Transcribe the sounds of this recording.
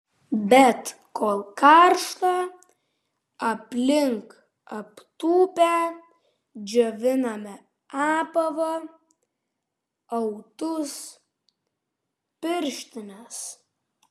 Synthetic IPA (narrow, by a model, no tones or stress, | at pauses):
bʲɛt̪ | koːlˠkɑɾʃt̪ɐ | ɐpʲlʲɪŋk | ɐpt̪uːpʲɛ | d͡ʒʲoʋʲɪnɐmʲɛ | ɑːpɐʋɐ | ɐʊt̪ʊs | pʲɪɾʲʃʲt̪ʲɪnɐs